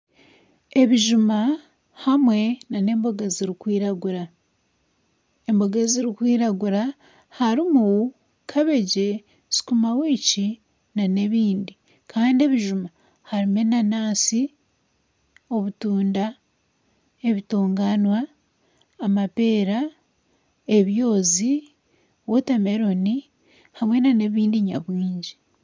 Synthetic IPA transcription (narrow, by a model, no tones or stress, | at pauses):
e̞βiʒuma | hamwe̞nane̞ːmbo̞ɡaziɾikwiːɾaɡuɾa | embo̞ɡaziɾikwiːɾaɡuɾa | haɾimu | kʰaβe̞ɟe̞ | si̥kumawiːci | nane̞βiːndi | kʰaːndie̞βiʒuma | haɾime̞nanaːsi | o̞βutuːnda | e̞βitoːŋɡanwaː | mape̞ːɾa | e̞βjo̞ːzi | wotame̞ɾo̞ni | hamwe̞nane̞βiːndiɲa̰βwiːɲɟi